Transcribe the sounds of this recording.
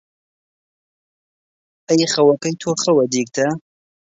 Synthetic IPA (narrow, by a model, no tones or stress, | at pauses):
ɐjχɐwɐkɐjt̪ʰoːxɐwɐd̪iːk̚t̪ʰɐ